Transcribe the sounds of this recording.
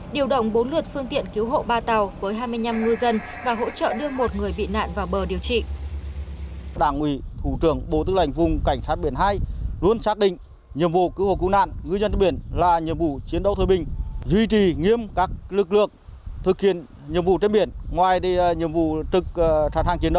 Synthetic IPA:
ɗi˨˩əwɗə̰˧˨wŋ͡mɓo˨˦nlɨ˨˩ət̚fɨ˧əŋt̪ḭ˧˨ənki˨˦wɦo̰˧˨ɓaː˧t̪a˨˩wvəː˨˦jɦaː˧jmɨ˧əjɲa˧mŋɨ˧zə˧n | vaː˨˩ɦo̰˧˥t͡ɕə̰ː˧˨ɗɨ˧əmo˨˩t̚ŋɨ˨˩əjɓḭ˧˨na̰ː˧˨nvaː˨˩wɓəː˨˩ɗi˨˩əwt͡ɕḭ˧˨ | ɗaː˧˩ŋʔwi˧˩t̪ʰu˧˩t͡ɕɨ˧˩əŋɓo˨˧˦t̪ɨ˨˦˥la˧˩jŋ̟vʊ˨˩ŋ͡mka˧˩jŋ̟saː˦˥t̚ɓi˧˩ənhaː˧jlu˧ənsaː˦˥k̚ɗḭ̈˧˨ŋ̟ | ɲi˨əmvṵ˧˨kɨ˨˦who̰˧˨˩kɨ˧˥na̰ː˧˨nŋɨ˧zə˧nt͡ɕe˧mɓi˧˩ənlaː˨˩ɲi˨əmvu˧˩t͡ɕi˨˦nɗə˧wt̪ʰəː˨˩jɓï˨˩ŋ̟zwi˧t͡ɕi˨˩ŋi˧əmkaː˦˥k̚lɨ˨˩k̚lɨ̰˧˨əŋt̪ʰɨ˨˩k̚hḭ˧˨ən | ɲi˨əmvṵ˧˨t͡ɕe˧nɓi˧˩ənŋwaː˨˩jt̪i˧˨ɲi˨əmvṵ˧˨t̪ɨ˨˩k̚ːt͡ɕaː˨˩t̪ʰaː˧˩ŋt͡ɕi˨˦nɗə˧w

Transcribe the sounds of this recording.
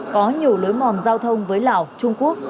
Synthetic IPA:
kɔ˨˦ɲi˨˩əwlo˨˦jmɔ˨˩nzaː˧wt̪ʰə˧wŋ͡mvəː˨˦jla̰ː˧˨˩wt͡ɕʊ˧ŋ͡mku˦˥ək̚

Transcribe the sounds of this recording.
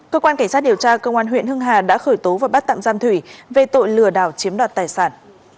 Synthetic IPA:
kəː˧kwaː˧nka˧˩ŋ̟saː˦˥t̚i˨˩əwt͡ɕaː˧kə˧wʔaː˧nɦw̰ḭ˧˨nhɨ˧əŋɦaː˨˩ɗa̰ː˧˥xəː˧˩jt̪o˨˦vaː˨˩ɓa˦˥t̚t̪a̰ː˧˨mzaː˧mt̪ʰwi˧˩ve˨˩t̪o̰˧˨jlɨ˨˩əɗaː˧˩wt͡ɕi˨˦əmɗwaː˨˩t̚t̪aː˨˩jsaː˧˩n

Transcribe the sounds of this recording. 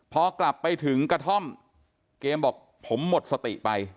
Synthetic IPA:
pʰɔː˧kla˨˩pːa˧jt̪ʰɯ˩˦ŋkɾa˧t̪ʰɔ˥˩m | keː˧mbɔː˨˩k̚ | pʰo˩˦mːo˨˩t̪̚sa˧t̪ḭ˨˩pa˧j

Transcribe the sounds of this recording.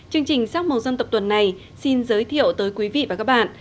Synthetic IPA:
t͡ɕɨ˧əŋt͡ɕï˨˩ŋ̟saː˦˥mə˨˩t̚zə˧nt̪ə˨˩t̪wə˨˩nːa˨˩j | si˧nzəː˨˦jt̪ʰḭ˧˨əwt̪əː˨˦jkwi˨˦vḭ˧˨vaː˨˩kaː˦˥k̚ɓa̰ː˧˨nʔ

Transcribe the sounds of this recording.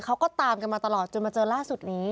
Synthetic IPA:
kʰa˦˥wkɔː˥˩t̪aː˧mka˧nmaː˧t̪a˧lɔː˨˩t̪̚t͡ɕo˧nmaː˧t͡ɕɤː˧nlaː˥˩su˨˩t̪̚niː˦˥

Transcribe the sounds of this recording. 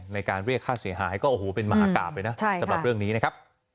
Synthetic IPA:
ŋna˧jkaː˧nɾi˥˩əkʰːaː˥˩si˩˦ɐɦaː˩˦˥jkɔː˥˩ʔoː˨˩oː˩˦pe˧nma˧ɦaː˨˧˦ka̰ː˨˩p̚ːa˧jna˦˥t͡ɕʰa˨˦ɾa˨˩pɾɯ˥˩əŋniː˦˥na˦˥kʰa˦˥p̚

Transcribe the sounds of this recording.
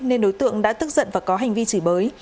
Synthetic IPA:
ne˧nɗo˨˦jt̪ɨ̰˧˨əŋɗa̰ː˧˥t̪ɨ˦˥k̚zə̰˧˨nvaː˨˩kɔ˨˦ɦa˨˩jŋ̟vi˧t͡ɕɨ˧˩ɓəː˨˦j

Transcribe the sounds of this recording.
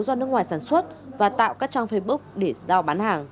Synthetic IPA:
wzɔ˧nɨ˦˥ək̚ŋwaː˨˩saː˧˩nswə˦˥t̚vaː˨˩t̪a̰ː˧˨wkaː˦˥k̚t͡ɕaː˧ŋfə˧jɓu˦˥k̚ɗe˧˩zaː˧˩wɓaː˨˦nhaː˨˩ŋ

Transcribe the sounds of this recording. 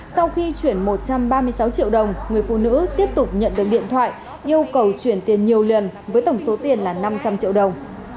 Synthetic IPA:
sa˧wxi˧t͡ɕwi˧˩ənmo˨˩t̚t͡ɕa˧mɓaː˧mɨ˧əjsa˨˦wt͡ɕḭ˧˨əwɗə˨˩wŋ͡mŋɨ˨˩əjfṵ˧˨nɨ̰˧˥t̪i˦˥əp̚t̪ʊ˨˩k͡p̚ɲə̰˧˨nɗɨ˨˩ək̚ɗḭ˧˨ənt̪ʰwa̰ː˧˨j | ʔi˧əwkə˨˩wt͡ɕwi˧˩ənt̪i˨˩ənɲi˨˩əwlə˨˩nvəː˨˦jt̪ə˧˩wŋ͡mso˨˦t̪i˨˩ənlaː˨˩na˧mt͡ɕa˧mt͡ɕḭ˧ə˨wɗə˨˩wŋ͡m

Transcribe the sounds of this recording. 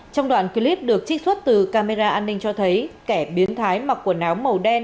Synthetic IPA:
t͡ɕɔ˧wŋ͡mɗwa̰ː˧˨nki˧li˦˥p̚ɗɨ˨˩ək̚t͡ɕï˦˥k̚swə˦˥t̚t̪ɨ˨˩kaː˧me˧zaː˧ʔaː˧nːï˧ŋ̟t͡ɕɔ˧t̪ʰə˨˦jkɛ˧˩ɓi˨˦ənt̪ʰaː˨˦jmaː˨˩ku˧˩ənaː˨˦wmə˨˩wɗɛ˧n

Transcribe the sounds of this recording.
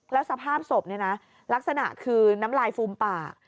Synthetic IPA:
lɛː˦˥wsa˧pʰaː˥˩p̚so˨˩p̚ni˥˩na˦˥ | la˦˥k̚sa˧na̰˨˩ʔkʰɯː˧na˦˥mlaː˧jfuː˧mpaː˨˩

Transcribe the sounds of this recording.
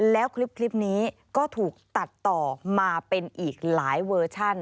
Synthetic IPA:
lɛː˦˥wkʰli˦˥p̚kʰli˦˥p̚niː˦˥kɔː˥˩t̪ʰuː˨˩k̚t̪a˨˩t̪ːɔː˨˩maː˧pe˧nʔiː˨˩k̚laː˩˦jwɤː˧t͡ɕʰa˥˩n

